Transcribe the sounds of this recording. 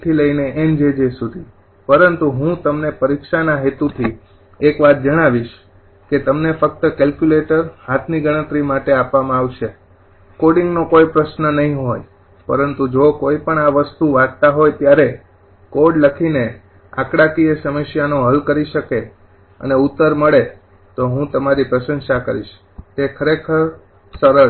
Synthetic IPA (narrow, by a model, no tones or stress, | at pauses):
t̪ʰiləineʔemd͡ʒed͡ʒesud̪ʱi | pəɾənt̪uɦũt̪əmnepəɾikʃanaɦet̪ut̪ʰi | ekʋat̪̚ʰd͡ʒəɽ̃aʋiʃ | ket̪əmnefək̚t̪əkɛlkjuleʈəɾɦat̪ʰniɡəɽ̃ə̃t̪ɾimaʈeapʋamãaʋʃe | koɽiŋɡnokojpɾəʃnənəɦĩɦoj | pəɾənt̪ud͡ʒokoipəɳaʋəst̪uʋad̪t̪aɦojt̪jaɾe | koɖləkʰine | a̰kɽakiesəməʃjanõɦəlkəɾiʃəke | ə̰neut̪ːəɾməɭe | t̪oɦũt̪əmaɾipɾəʃə̃nʃakəɾiʃ | t̪ekʰəɾekʰəɾ | səɾə